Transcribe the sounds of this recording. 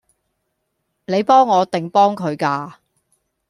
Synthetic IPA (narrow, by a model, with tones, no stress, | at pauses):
ne˨˧jpɔː˥ŋːɔː˨˧t̪ɪ˨ŋpɔː˥ŋkʰɵ˨˧ɥkaː˧